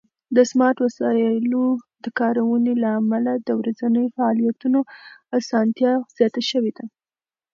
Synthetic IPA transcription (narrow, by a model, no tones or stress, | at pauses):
d̪əsmɑɾʈwasɑlod̪əkɑɾawənelaːmalad̪əwɾazanəjofaɑlijat̪unoasɑnt̪jɑz̥jɑt̪aʃəwed̪a